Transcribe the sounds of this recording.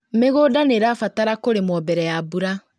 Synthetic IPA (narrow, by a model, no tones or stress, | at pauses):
meɣoːdaneɾaːfataɾakoɾemɔːbɛɾɛjabuɾa